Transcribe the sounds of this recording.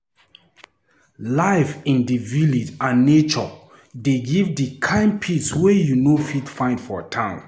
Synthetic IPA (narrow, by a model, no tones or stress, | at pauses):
laɪfĩndivilid͡ʒãnːet͡ʃɔ | deɡivdəkʰãɪ̃npʰitswejunofitfãɪ̃ndfɔtʰãn